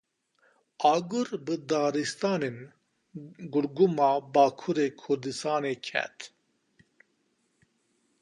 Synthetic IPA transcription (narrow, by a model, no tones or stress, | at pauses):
ɑːɡuɾbɨd̪ɑːɾist̪ɑːneːn | ɡʊɽɡumɑːbɑːkʰuɾeːkʰʊɾd̪ɨst̪ɑːneːkʰɛ̰t̪